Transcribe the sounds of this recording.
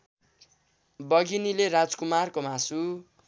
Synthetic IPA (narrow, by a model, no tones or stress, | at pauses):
bʌɡinilerad͡zkumarkomasu